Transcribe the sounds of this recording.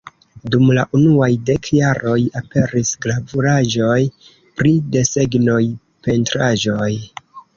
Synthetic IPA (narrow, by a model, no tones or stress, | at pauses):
dumlaʔunuajde̞kjaɾo̞jape̞ɾisɡlavuɾaʒo̞j | pɾide̞se̞ɡno̞j | pe̞ntɾaʒo̞j